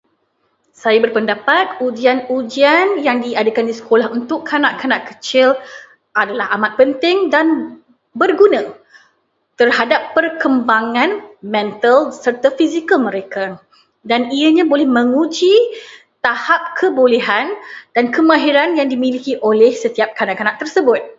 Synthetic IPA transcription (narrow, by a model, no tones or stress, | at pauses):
sajabərpəndapat̪̚ud͡ʒianud͡ʒianjaŋdiadakandisə̥kolahunt̪ʊkʰːanãʔkanaʔkət͡ʃɪl | ʔadalahamat̪̚pənt̪ɪŋdan | bərɡunã | t̪ərhadapːərkəmbaŋãnmɛ̃nt̪əlsərt̪afizikəlmə̃ɾeka | daniəɲãbolɛhmə̃ŋud͡ʒi | t̪ahap̚kʰəboleɦand̥ankəmãɦiɾanjaŋdimilikiʔolɛhsət̪iap̚kanaʔkanãʔt̪ərsəbʊt̪̚